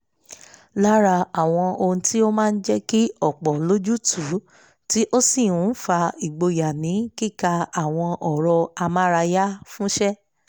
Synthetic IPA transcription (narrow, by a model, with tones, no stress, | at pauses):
la˦ɾa˧a˨w̃ɔ̃˧o˧ũ˧ti˦o˦mãː˦˧n̩˦d͡ʒɛ˦ki˦ɔ˦˨k͡pɔ˨lo˦d͡ʒu˦tʰu˨˦ | ti˦ʔo˦si˦˨ũ˨˦fa˧i˨ɡ͡bo˧ja˨nĩ˨˦ki˦˨ka˧a˨w̃ɔ̃˧ʔɔ˨ɾɔ˧a˧ma˦ɾa˧ja˦fũ˦ʃɛ˦